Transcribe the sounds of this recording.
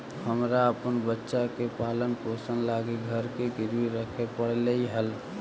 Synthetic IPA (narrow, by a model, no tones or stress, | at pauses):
həmɾaəpənbətːʃakepalənposənlaɡiɡʱəɾkekiɾwiɾəkʰepəɽ̤leiɦəl